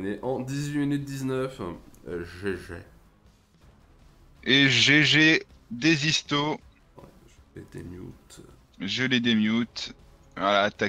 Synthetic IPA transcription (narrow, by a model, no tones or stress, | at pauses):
neʔɑ̃d̪izɥiminyt̪̚d̪iznœf | ʒeʒḛ | eʒeʒe | d̪ezist̪o | ḛd̪ḛmjṵt̪ | ʒøled̪emjut̪ | alat̪a